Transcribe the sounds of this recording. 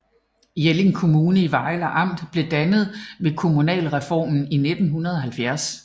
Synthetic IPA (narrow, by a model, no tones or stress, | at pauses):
jele̝ŋkʰo̝muːnəiʋɑ̈ɪlɐʔɑ̈m̰d̥b̥le̝d̥ænəð̞̩ˠʋe̝kʰo̝munɛ̰ːlʁɛfɒ̰ːmn̩ined̥n̩ɦunɐð̞ˠɒ̽ɦælfjæɐs